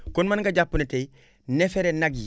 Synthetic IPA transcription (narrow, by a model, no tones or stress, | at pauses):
konmanɡaɟapːunete | nefeɾenaɡi